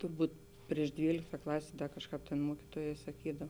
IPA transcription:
tʊrˈbuːt ˈpʲrʲiɛʃ ˈdʲʋʲiːlʲɪktɐ ˈklˠɑːsʲeː ˈkɑːʃˌkɑːp tʲeːn ˈmuɔkʲɪtuɔjɛː sɐˈkʲiːdɐw

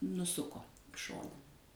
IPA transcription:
nʊˈsʊkoː ɪ ˈʃoːnɐ

